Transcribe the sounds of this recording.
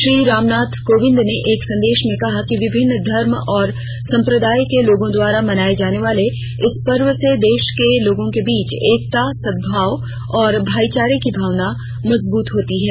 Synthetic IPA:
ʃɾiːɾaːmnaːt̪ʰkoːʋɪ̃nd̪neʔeːksɐ̃nd̪eːʃmẽkɐɦakiʋɪbʱɪnːd̪ʱɐɾmɔːɾ | sɐ̃mpɾəd̪aːjkeloːɡõd̪waːɾamɐnaːed͡ʒaːneʋaːle | ɪspɐɾʋəsed̪eːʃkeloːɡõkebiːt͡ʃeːk̚t̪asɐd̪̚bʱaːʋ | ɔːɾbʱaːit͡ʃaːɾikibʱaːʋna | mɐzbuːt̪ɦoːt̪iɦɛː

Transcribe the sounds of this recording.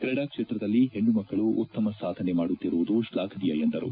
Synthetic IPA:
kɾɐɽaːkʂeːt̪ɾɐd̪ɐlːiɦe̞ɳɖumɐkːɐɭuʔut̪ːɐmɐsaːd̪ʱɐnemaːɽut̪ːiɾuʋud̪uʃlaːkʰɐd̪ijɐjend̪ɐɾṵ

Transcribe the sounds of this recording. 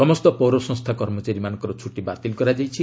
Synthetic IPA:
sɔmɔst̪ɔpɔwɾɔsɔ̃ŋst̪ʰakɔɾmɔt͡ʃaɾimanɔ̃ŋkɔɾɔt͡ʃʰuʈibat̪ilkɔɾad͡ʒajt͡ʃʰi

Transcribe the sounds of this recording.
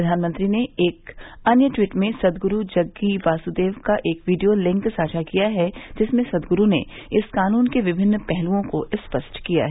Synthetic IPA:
d̪ʱaːnmə̃nt̪ɾineeːkɐnjəʈwiːʈmẽsɐd̪ɡʊɾud͡ʒɐɡːiʋaːsud̪eːʋkaʔeːkʋiːɖijolɪ̃ŋksaːd͡ʒʰakijaɦɛd͡ʒɪsmẽsɐd̪ɡʊɾunḛɪskaːnuːnkeʋɪbʱɪnːpɛɦluõkoʔɪspəsʈʰkija̰ɦɛː

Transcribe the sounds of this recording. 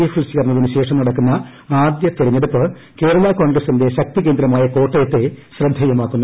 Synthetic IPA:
ifilsiɣɐrnːɐðinɨɕe̞ːʂɐmnɐɽɐkːunːɐ | aːd̪jɐt̪ːiɾɐɲːeɽupːɨ | ke̞ːɾɐlako̞ːɳɡrɐsinde̞ɕɐk̚t̪ikːe̞ːnd̪ɾɐmaːjɐko̞ːʈːɐjet̪ːeɕrɐd̪ʱːɐjɐmaːkːunːu

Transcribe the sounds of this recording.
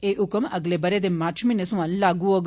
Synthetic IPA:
eʔʊkəmɐɡlebɐɾed̪emaːɾt͡ʃʰminesũãllaːɡuoɡ

